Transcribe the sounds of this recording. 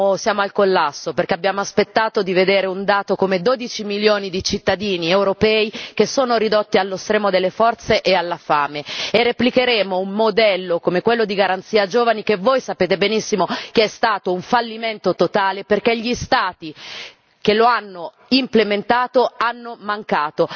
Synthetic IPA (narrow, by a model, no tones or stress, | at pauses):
sjaːmoalkolːasːoperkeabːjaːmoaspet̪ːaːt̪od̪ived̪eːɾeund̪aːt̪okomed̪oːd̪it͡ʃimiljoːnid̪it͡ʃit̪ːad̪iːniewɾopɛːikesːoːnoɾid̪ot̪ːialːost̪ɾɛːmod̪elːefɔrt̪seʔealːafaːmeerːeplikeɾeːmoummod̪ɛlːokomekwelːod̪iɡaɾant̪siːad͡ʒoːvanik̟evojsapeːt̪ebenisːimokeɛst̪aːt̪ouɱfalːiment̪ot̪ot̪aːleperkeʎist̪aːt̪i | k̟eloanːo | implement̪aːt̪oanːomaŋkaːt̪o